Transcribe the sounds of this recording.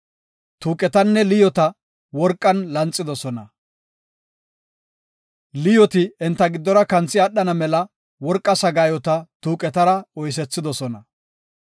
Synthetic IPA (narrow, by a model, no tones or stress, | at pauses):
t̪uːkʼɛt̪ɐnːɛlɪjɔt̪ɐ | wɔɾkʼːɐnlɐnt͡sʼːɪd̪ɔsɔnɐ | lɪjɔt̪ɪɛnt̪ːɐɡɪd̪ːɔɾɐkɐnt͡sːɪɐɗːɐnɐmɛlɐ | wɔɾkʼːɐsɐɡaːjɔt̪ɐt̪uːkʼɛt̪ɐɾɐɔjs̬ɛt͡sːɪd̪ɔsɔnɐ